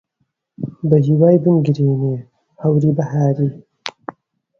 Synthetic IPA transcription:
bɐɦiwaːjbɨnɡɨɾiːneː | hɐwɾiːbɐhaːɾiː

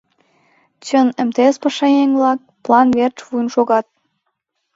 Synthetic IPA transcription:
t͡ɕə̆nə̆mt̪eespəʃɑjeŋvlɑk̚plˠɑnβert͡ʃvujnʃoɣɑt̪̚

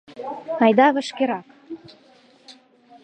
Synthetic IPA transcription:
ɑjd̪ɑβə̆ʃkeɾɑk

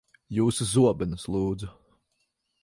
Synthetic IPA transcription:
juːsuzuɔbɛnɐslˠuːd̪zu

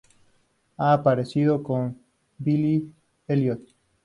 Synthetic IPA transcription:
aːpaɾesiðokom | bili | eljot̪̚

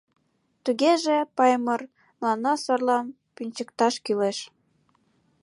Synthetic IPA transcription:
t̪uɣeʒepɑjmɤr | mlɑnɑsɑrlɑm | pynʲt͡ɕəkt̪ɑʃkyleʃ

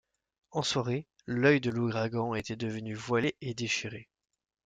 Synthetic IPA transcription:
ɑ̃swaʁe | lœjd̪əluɡʁaɡɑ̃et̪ɛd̪əvənyvwaleʔed̪eʃiʁe

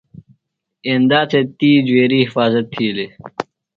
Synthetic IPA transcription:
end̪aːt͡sʰet̪iːd͡ʑweːɾiːhɪfaːzət̪ʰːiːle

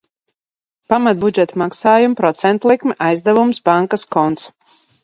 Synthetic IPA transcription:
pamat̪̚bud͡ʒɛt̪maksaːjumpɾɔt̪sɛnt̪lˠikmɛʔajzd̪ɛvumsbaŋkaskɔnt̪s

